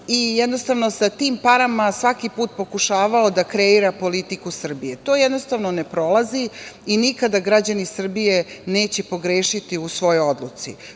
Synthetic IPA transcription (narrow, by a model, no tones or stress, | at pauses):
ijɛd̪no̞st̪aʋno̞sat̪iːmpaɾamasʋakipuːt̪̚po̞kuʃaːʋaod̪akɾeiɾapo̞lit̪ikusr̩bijet̪o̞ːjɛd̪no̞st̪aʋno̞ne̞pɾo̞laziinikad̪aɡɾad͡ʑanisr̩bijene̞ːt͡ɕepo̞ɡɾeːʃit̪iusʋo̞jood̪lˠut̪sḭ